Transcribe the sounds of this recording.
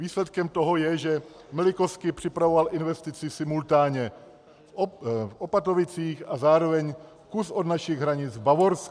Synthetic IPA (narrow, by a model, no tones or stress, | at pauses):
viːslɛt̪kɛmt̪oɦo̞jɛʒɛ | mɪlɪkoskɪpr̝̥ɪpɾavovalɪnvɛst̪ɪt͡sɪsɪmult̪aːɲɛ | fʔopat̪ovɪt͡siːxazaːɾo̞vɛɲ | kusʔod̪naʃɪɣɦɾaɲɪt͡sbavoɾsk